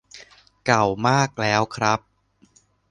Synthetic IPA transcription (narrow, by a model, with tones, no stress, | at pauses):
ka˨˩wmaː˥˩k̚lɛː˦˥wkʰɾa˦˥p̚